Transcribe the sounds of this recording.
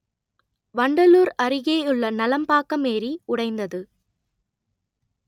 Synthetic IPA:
ʋɐɳɖɐluːɾɐɾɪɣeːʊɭːɐnɐlɐmpaːkɐmeːɾiʊɽɐɪnd̪ɐðɯ

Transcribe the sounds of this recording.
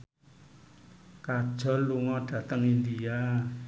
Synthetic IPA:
kad̥ʒ̥ɔ̤lːuŋɔɖ̥ä̤t̪əŋind̪ia

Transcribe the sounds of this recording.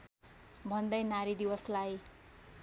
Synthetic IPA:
bʱʌnd̪ʌjnaɾid̪iwʌslaj

